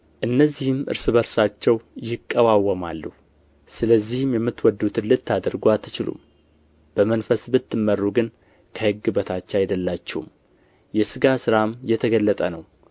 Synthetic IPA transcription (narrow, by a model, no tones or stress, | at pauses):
ʔɨnːəzːihɨmʔɨ̰ɾsɨβəɾsat͡ʃːɛwjɪkʼːəwawəmalːuhu | sɨləzːihɨmjɛmːɨt̪ːwɔd̪ːut̪ʰɨnlɨt̪ʰːad̪əɾɡoat̪ʰːɨt͡ʃɪlṵm | b̥əmənfəsbɨt̪ʰːɨmːərːuɡɨn | kʰəhɨɡːɨbət̪ʰat͡ʃːɛajd̪əlːat͡ʃːɛhṵm | jɛsɨɡasɨɾamjɛt̪ʰəɡəlːət̪ʼənəw